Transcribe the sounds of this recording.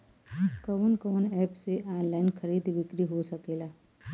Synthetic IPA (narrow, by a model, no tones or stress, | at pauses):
kəʋənkəʋənɛːpseʔaːnlaːɪnxʰəɾiːd̪ʋɪkɾiɦosɐkeːlaː